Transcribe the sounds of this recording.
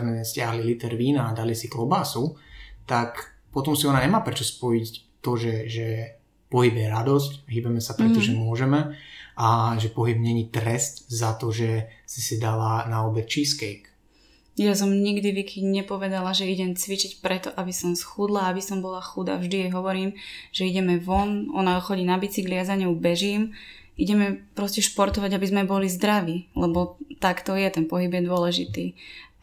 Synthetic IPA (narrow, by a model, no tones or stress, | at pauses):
zmɛscɪaɦlilit̪ɛɾʋiːnaːd̪alisiklɔbaːsut̪ak | pɔt̪ɔmsiɔnaɲɛmaːpɾɛt͡ʃɔspɔjic | t̪ɔʒɛʒɛ | pɔɦibjɛɾad̪ɔscɦiːbɛmɛsapɾɛt̪ɔʒɛmʊɔʒɛmɛʔaʒɛpɔɦibɲɛɲit̪ɾɛst̪zat̪ɔʒɛsisid̪alanaɔbɛt̪t͡ʃiskɛjk | jas̬ɔmɲiɡd̪iʋikʰiɲɲɛpɔʋɛd̪alaʒɛiɟɛmt͡sʋit͡ʃicpɾɛt̪ɔʔabisɔmsxud̪laabisɔmbɔlaxud̪a̰vʒd̪iɛjɦɔʋɔɾiːmʒ̥ɛiɟɛmɛʋɔnɔnaxɔɟiːnabit͡siɡlɪazaɲɛwbɛʒiːm | iɟɛmɛpɾɔscɛʃpɔɾt̪ɔʋaɟabizmɛbɔlizd̪ɾaʋiːlɛbɔt̪akt̪ɔjɛt̪ɛnpɔɦibjɛd̪ʊɔlɛʒit̪iː